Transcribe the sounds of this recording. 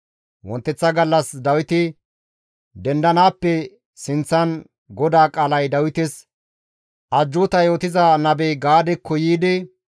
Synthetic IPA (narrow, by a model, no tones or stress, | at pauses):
wɔnt̪ːɛt͡sːɐɡɐlːɐsd̪ɐwɪt̪ɪ | d̪ɛnd̪ɐnaːpːɛ | sɪnt͡sːɐn | ɡɔd̪aːkʼaːlɐjd̪ɐwɪt̪ɪs | ʔɐd͡ʒːʊːt̪ɐjo̞ːt̪ɪzɐnɐbeɡaːd̪ɛkːɔjiːd̪ɪ